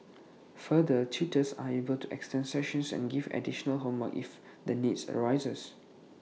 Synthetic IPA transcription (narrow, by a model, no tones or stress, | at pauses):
fədətʰitəsa̰ebəltuʔɛ̰kstɛ̃nsɛʃə̃nsɛ̰̃nɡivɛ̰diʃənəlɦõnwəkḭf | dənitsə̰ɹaɪzəs